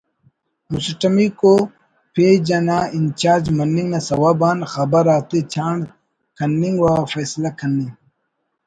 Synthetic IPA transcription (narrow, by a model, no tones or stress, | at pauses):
musʈɐmiko | pʰeːd͡ʑɐnaːint͡ʃaːɾd͡ʑmɐnːiŋɡnɐsɐwabaːnxɐbɐɾaːt̪et͡ɕʰaːɳɖ | kʰɐnːiŋɡwafeːslakʰɐnːiŋ